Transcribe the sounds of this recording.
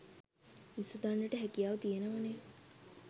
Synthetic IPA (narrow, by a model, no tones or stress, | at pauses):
isəd̪aɳɖəʈəɦækijaʋt̪ijenəʋane